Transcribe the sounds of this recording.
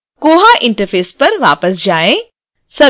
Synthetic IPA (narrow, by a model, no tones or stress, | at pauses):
koːɦaʔɪ̃ɳʈəɾfeːspɐɾʋaːpəsd͡ʒaːẽ | sɐ